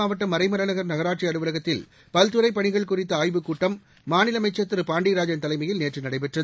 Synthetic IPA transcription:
aːʋɐʈːɐmɐɾɐɪmɐɾɐnɐɣɐɾnɐɣɐɾaːʈʂiɐɽɯʋɯlɐɣɐt̪ːɪl | pɐlt̪ɯɾɐɪpɐɳɪɣɐɭkʊrɪt̪ːɐaːjʋɯkːuːʈːɐmː | aːnɪlɐmɐɪt͡ʃːɐt̪ːɯɾɯpaːɳɖiːɾaːd͡ʒɐnt̪ɐlɐɪmɐjɪlneːʈrɯnɐɽɐɪpɛʈrɐ

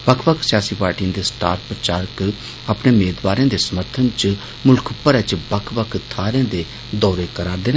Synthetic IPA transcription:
bəkʰbəksɪjaːsiːpaːɾʈiə̃nd̪eːsʈaːɾʈ̚pɾət͡ʃaːɾk | aːpneːmeːd̪baːɾẽːd̪eːsəməɾt̪ʰənt͡ʃ | mʊlkʰəpːəɾɛːt͡ʃbəkʰbəkʰt̪ʰaːɾẽːd̪eː | d̪ɔːɾeːkəɾaːɾd̪eːnː

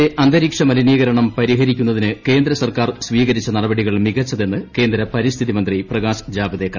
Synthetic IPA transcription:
eʔɐnd̪ɐɾiːkʂɐmɐliniːɣɐɾɐɳɐmpɐɾiɦɐɾikʲːun̪ːɐðinɨke̞ːnd̪ɾɐsɐrkaːrsʋiːɣɐɾit͡ɕːɐnɐɽɐbɐɽiɣɐɭmiɣɐt͡ɕːɐðe̞nːɨke̞ːnd̪ɾɐpɐɾist̪ʰiðimɐnd̪riprɐɣaːsd͡ʑaːbɐðeːkːɐ

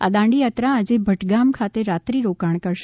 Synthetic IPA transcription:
a̰d̪ãɳɖijat̪ɾaːd͡ʒebʱəʈɡamkʰat̪eɾat̪ɾiɾokaɳ̃kəɾʃ

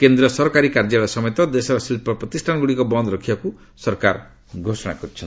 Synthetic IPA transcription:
kend̪ɾɔsɔɾkaɾikaɾd͡ʒaɭɔsɔmejt̪ɔd̪esɔɾɔsilpɔpɾɔt̪isʈʰanɡuɽikɔbɔnd̪ɾɔkʰibaku | sɔɾkaɾ | ɡʱosɔɽ̃a̰kɔɾit͡ʃʰɔnt̪

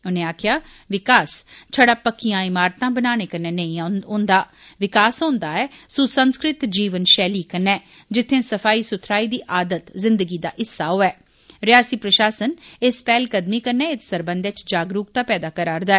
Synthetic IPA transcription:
ʊnẽːaːkʰjaː | ʋɪkaːst͡ʃʰəɽaːpəkːijãːɪmaːɾt̪ãːbənaːñeːkəɾneːnəĩːõːnd̪aː | ʋɪkaːsɦõːnd̪aːɛːsʊsənskɾɪt̪d͡ʒiːʋənʃɛːliːkənːɛː | d͡ʒɪt̪ʰːẽːsəfʰaːiːsʊt̪ʰɾaːiːd̪iːʔaːd̪ət̪zɪ̃nd̪əɡiːd̪a̰ːʔɪsːaːɦoːɛː | ɾɪjaːsiːpɾəʃaːsənɪspɛːlkəd̪miːkəɾnɛːɪt̪səɾbənd̪et͡ʃd͡ʒaːɡɾuːk̚t̪aːpɛːd̪aːkəɾaːɾd̪aːɛː

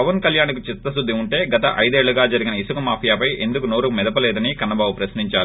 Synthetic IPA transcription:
pɐʋɐnkɐljaːnk̬ut͡ʃit̪ːɐs̬ud̪ːiuɳʈe̞ːɡɐt̪ɐʔɐjd̪e̞ːɭːuɡaːd͡ʒɐɾiɡinɐisukɐmaːpʰijaːpɐjʔe̞nd̪ukuno̞ːɾumɛd̪ɐpɐlɛːd̪ɐnikɐnːɐbaːbupɾɐsniɲt͡ʃaːɾu

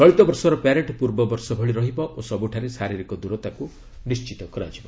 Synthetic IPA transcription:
sɔɭit̪ɔbɔɾsɔɾɔpaɾeɳʈpuɾbɔbɔɾsɔbʱeɭiɾɔɦibɔʔosɔbuʈʰaɾesaɾiɾikɔd̪uɾɔt̪aku | nist͡ʃit̪ɔkɔɾad͡ʒibɔ

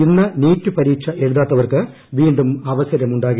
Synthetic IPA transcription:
inːɐniːtːɨpɐɾiːkʂɐʔe̞ɻuðaːt̪ːɐʋɐrkɨ | ʋiːɳɖumɐʋɐsɐɾɐmuɳɖaːɣɐ

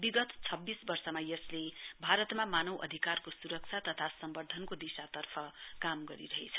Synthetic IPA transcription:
biɡʌt̪t͡sʰʌbːisbʌrsʌmajʌslebʱaɾʌt̪mamanʌwʔʌ̰d̪ʱikarkosuɾʌk̚t͡sʰat̪ʌt̪ʰasʌmbʌrd̪ʱʌnkod̪isat̪ʌrpʰʌkamɡʌɾḭɾʌɦet͡sʰʌ̥

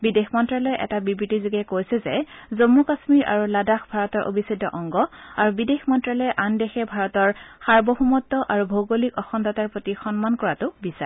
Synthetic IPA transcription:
bidexmɔntɹalɔjʔɛ̰tabibɹitiziɡɛkojsɛzɛzomːukasmiɹʔa̰ɹuladaxbʱaɹɔtɔɹʔo̰bʱisidʱːɔ̰ʔɔŋɡɔaɹubidexmɔntɹalɔɛjʔandɛxɛbʱaɹɔtɔɹxaɹbɔhumɔtːɔʔaɹubʱoɡolikɔxɔndɔtaɹpɹotixɔnmankɔɹatʊbisa̰

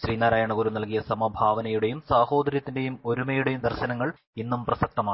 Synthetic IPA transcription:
ɕriːnːaːɾaːjaːɳɐkuːɾumnɐlkijɐsɐmɐbʱaːʋɐnɐjuɽe̞jumsaːho̞ːd̪ɐɾjɐt̪ːinde̞jumo̞ɾumɐjuɽe̞jumd̪ɐrɕɐnɐŋːɐɭ | inːumprɐsɐk̚t̪ɐmaːɳɨ

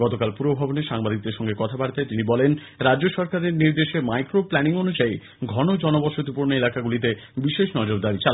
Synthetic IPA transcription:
ɡɔt̪okalpuɾobʱaboneʃaŋbad̪ʱik̚d̪eɾʃɔŋɡekɔt̪ʰabaɽt̪at̪inibɔlen | ɾad͡ʑd͡ʑoʃɔɾkaɾeɾniɾd̪eʃemajkɾoplɛniŋonud͡ʑai | ɡʱɔnod͡ʑɔnobɔʃot̪upoɾnoelakaɡulit̪̬ebiʃeʃnɔd͡ʑoɾd̪aɾit͡ɕal

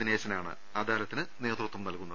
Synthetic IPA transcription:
ine̞ːɕɐnaːɳɨ̰ | aːd̪aːɾɐt̪ːinɨne̞ːt̪rut̪ːumnɐlkunːɐ

